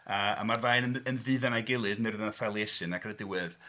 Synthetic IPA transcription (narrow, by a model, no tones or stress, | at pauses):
əa̰marðajnənənvɨːðanaɡɪlˠɨðmɪrðanaθɛlˠiɛsɨnakʰrədɪwɨð